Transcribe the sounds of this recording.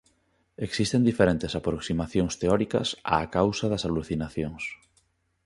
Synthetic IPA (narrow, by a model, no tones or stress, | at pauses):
eksist̪end̪ifeɾẽnt̪esapɾoksimaθjoŋst̪eɔɾikɐ̰sa̰ːkawsɐðɐsaluθinaθjoŋs